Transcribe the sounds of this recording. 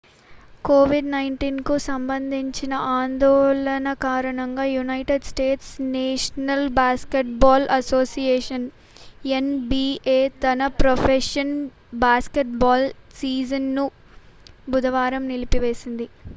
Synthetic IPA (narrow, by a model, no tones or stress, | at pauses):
koːʋiɖnɐjɳʈiːnkusɐmbɐnd̪ʱiɲt͡ʃinɐʔaːnd̪ɔːlɐnɐkaːɾɐɳɐŋɡaːjunɐjʈeɖsʈe̞ːʈsneːʂɐnɐlbaːskeʈ̚baːlʔɐsoːsijeːʂɐn | enbiːeːt̪ɐnɐpɾopʰeʂɐn | baːskeʈbaːlsiːd͡ʒɐnːu | bud̪ɐʋaːɾɐmnilipiʋe̞ːsind̪i